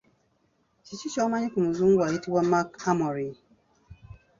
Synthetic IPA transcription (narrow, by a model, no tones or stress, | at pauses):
t͡ʃit͡ʃit͡ʃɔmaɲɪkumuzuɡʷaitiwam̩makhamɔɾi